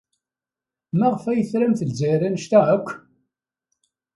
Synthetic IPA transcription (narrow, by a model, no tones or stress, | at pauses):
mæʁfæjəθɾæmθəlzæjɾænʃt̪æækʷː